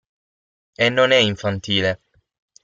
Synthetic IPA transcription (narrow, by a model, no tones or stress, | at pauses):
enːonɛiɱfant̪iːle